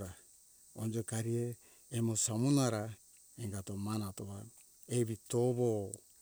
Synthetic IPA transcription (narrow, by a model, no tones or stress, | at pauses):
ɾa | ond͡ʒokaɾieː | mo̞samunaɾa | eŋɡatomanatoβa | eβitoβo